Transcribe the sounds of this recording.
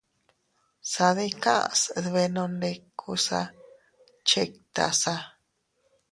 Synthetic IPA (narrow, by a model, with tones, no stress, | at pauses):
sa˧ði˦kã˦ʔsðβe˧nõ˧nd̪e˧kʰu˧sa̰˧ | t͡ʃe˧k̚t̪a̰˧˨sa˧